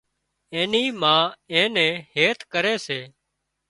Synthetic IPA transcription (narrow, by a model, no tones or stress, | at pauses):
ẽːniːmãːẽːnɛ̃ːheːt̪kəɾeːseː